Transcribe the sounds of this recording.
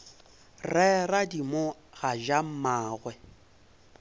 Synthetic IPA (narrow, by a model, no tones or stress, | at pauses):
rɛradimoɣaʒam̩maːɣwɛ